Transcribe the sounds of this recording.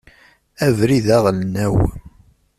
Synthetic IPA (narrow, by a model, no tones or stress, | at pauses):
ævɾiðæʁlnæw